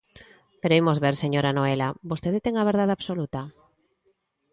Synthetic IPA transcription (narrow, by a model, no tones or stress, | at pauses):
peɾoimozβeɾseɲoɾanoelabost̪eðet̪eŋaβ̞eɾðaðaβ̥solut̪a